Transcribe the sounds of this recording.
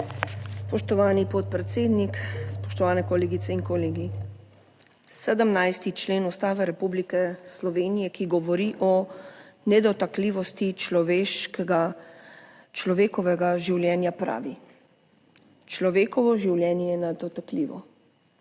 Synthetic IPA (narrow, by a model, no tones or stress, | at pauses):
spɔʃt̪ɔʋaːnipɔt̪̚pɾɛt̪seːd̪nikspɔ̥ʃt̪ɔʋaːnɛkɔleːɡit̪sɛiŋkɔleːɡi | sɛd̪əmnajst̪it͡ʃleːnust̪aːʋɛɾɛpublikɛslɔʋeːnijɛkiɡɔʋɔɾiʔɔ | nɛd̪ɔt̪akliːʋɔst̪it͡ʃlɔʋeɡa | t͡ʃlɔʋeːkɔʋɛɡaʒiwljɛːnjapɾa̰ːʋi | t͡ʃlɔʋeːkɔʋɔʒiwljɛːnjɛjɛnad̪ɔt̪akliːʋɔ̰